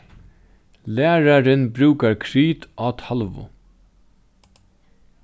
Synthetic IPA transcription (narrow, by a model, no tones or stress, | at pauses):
læːɾaɾɪnbɾʉːkaɹkʰɾiːt̪ʔaːt̪ʰalʋʊ̰